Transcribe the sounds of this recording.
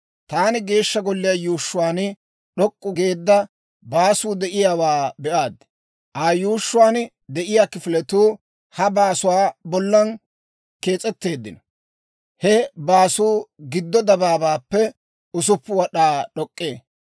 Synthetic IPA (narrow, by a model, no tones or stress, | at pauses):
t̪aːnɪɡe̞ːʃːɐɡɔlːɪjɐjuːʃːʊwaːn | ɗɔkʼːʊɡe̞ːd̪ːɐ | baːsuːd̪ɛʔɪjaːwaːbɛʔaːd̪ɪ | ʔaːjuːʃːʊwaːn | d̪ɛʔɪjaːkɪfɪlɛt̪uː | hɐbaːsʊwaːbɔlːɐn | ke̞ːt͡sʼɛt̪ːe̞ːd̪ːɪnɔ | hɛbaːsuːɡɪd̪ːɔd̪ɐbaːbaːpːɛ | ʊs̬ʊpːʊwɐɗaːɗɔkʼːeː